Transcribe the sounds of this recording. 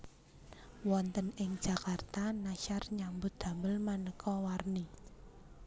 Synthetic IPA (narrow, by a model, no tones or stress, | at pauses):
wɔnt̪ənɪŋ̥d͡ʒ̥ä̤kart̪anaʃarɲambʊd̪̥ä̤mbəlmanəkʰɔwarni